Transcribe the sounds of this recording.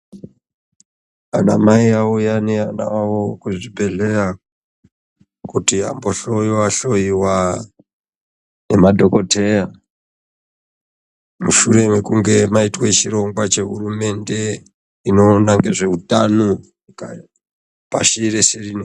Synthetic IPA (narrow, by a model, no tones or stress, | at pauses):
anamaiaujaneana̰wawokuʐibʱe̞ɮe̞ɾa | kutiambo̞ɬo̞iwaɬo̞iwa | ne̞madʱo̞ko̞te̞ja | muʃuɾe̞mekuŋɡe̞maitwet͡ʃiɾo̞ŋɡwat͡ʃe̞ɦurume̞nde̞ | ino̞ːnaŋɡe̞ʐe̞ɦutano | ka | pa̰ʃiɾeserine